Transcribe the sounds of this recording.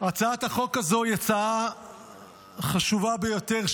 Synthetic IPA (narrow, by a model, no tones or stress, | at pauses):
at͡saat̪haχo̞kazo̞jat͡saa | χaʃuvabejo̞t̪eʁ